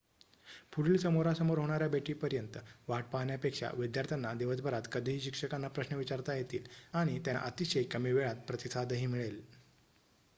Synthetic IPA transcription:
puɽiːlsəmoɾasəmoɾɦoɽ̃aɾjabeʈiːpəɾjənt̪əʋaʈ̚paɦɳjapekʂa̰ʋid̪jaɾt̪ʰjanːad̪eʋəsbʱəɾat̪kəd̪ʱiɦiːɕikʂəkanːapɾəɕnəʋit͡ɕaɾt̪ajet̪iːlaɽ̃it̪jaʔət̪iɕəjkəmiːʋeɭat̪̚pɾət̪isʰad̪əɦiːmiɭel

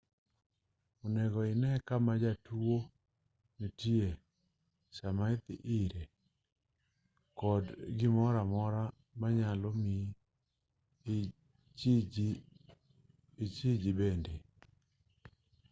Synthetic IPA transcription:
onɛɡɔɪnɛkamad͡ʒatuo | nitie | samaɪt̪ɪ̰ʔɪɾe | kɔdɡɪmɔɾamɔɾa | maɲalɔmi | it͡ʃid͡ʒibende

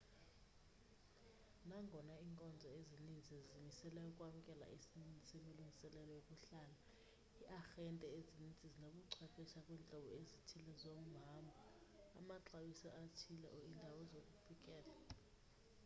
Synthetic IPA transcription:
naŋɡʱɔnaiŋkʼɔnd͡zʱɔezinind͡zʱizimisɛlɛukʼwamukʼɛla̰esininʱisemiluŋɡʱisɛlɛlɔjokʼuɬala | iʔaxɛntʼɛezinint͡sʼizinokʼuǀʰɛpʰɛʃakʼwint͡ɬʼɔɓɔezitʰilɛzom̩ɦambʱa̰ː | maǁawisaʔatʰilɛ̰ʔɔindʱawɔzokʼufikʼɛːla

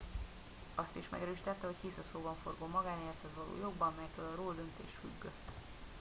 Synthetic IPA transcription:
ɒst̪iʃmɛ̰ɡɛɾøːʃit̪ɛt̪ːɛɦo̞ckisɒsoːbɒɱfo̞̰rɡoːmɒɡaːnert̪hɛzvɒlo̰ːjo̞ɡbɒmmɛjɛkːøːlɒɾoːld̪ø̞nt̪ḛːʃfy̰ɡːø

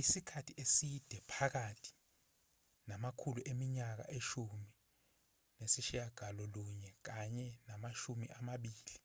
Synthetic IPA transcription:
isikʰatʰiʔesid̥ʱɛpʰak̬atʰi̥ | namakʰuluʔemiɲak̬a̰ʔeʃumi | nesiʃijaɡ̥ʱalɔluɲɛk̬aɲɛnamaʃumḭʔamaɓiːli

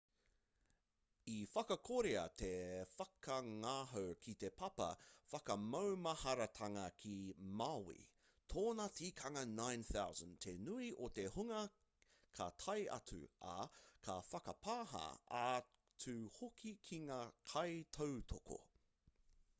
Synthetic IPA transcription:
ifɐkɐkʰoɾeɐ̰t̪ʰefɐkɐŋaɦowkʰit̪epʰɐpɐ̰fɐkɐmɐwmɐhɐɾɐt̪ʰɐŋɐkʰimawḭ | t̪ʰoːnɐtiːkʰɐŋɐnãjnθawzə̃nt̪ʰenuiʔot̪e̞huŋɐ | kʰɐt̪ʰɐjɐ̰t͡sʉ̰ɐ̰kʰɐfɐkɐpaːɦɐ̰a | t͡sʰʉhokʰikʰiŋaːkʰɐjt̪ʰowt̪ʰoko̰

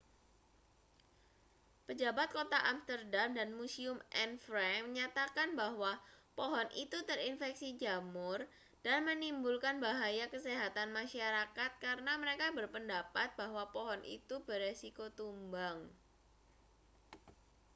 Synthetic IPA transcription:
pəd͡ʒabat̪̚kot̪aʔamst̪ərdamdanmusiʊmʔɛnfɾɛməɲat̪akanbaɦwapoɦɔnʔḭt̪ut̪ərinfɛksid͡ʒamʊr | d̥anmənimbulkanbaɦajakəseɦat̪anmaʃaɾakat̪̚kaɾənaməɾekabərpəndapat̪̚baɦwapoɦɔnʔḭt̪ubəresikot̪umbaŋ

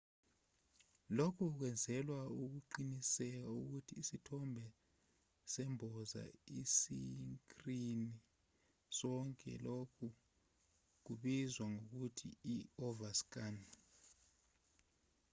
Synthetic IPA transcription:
lokʰuk̬wɛnd͡zʱɛlwauk̬uǃinisɛk̬auk̬utʰiːsitʰɔmbʱɛ | sɛmbʱɔza̰isiŋkrini | sɔŋkʼɛ̰lokʰu | k̬uɓizwaŋok̬utʰḭiɔvask̬ʼan

